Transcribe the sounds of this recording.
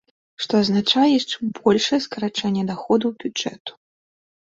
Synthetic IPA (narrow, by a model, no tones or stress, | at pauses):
ʂt̪ɔaznat͡ʂajɛt͡ʂbɔlʲʂɐjɛskɐɾat͡ʂɛnʲːɛd̪axɔd̪uwbʲud͡ʐɛt̪u̥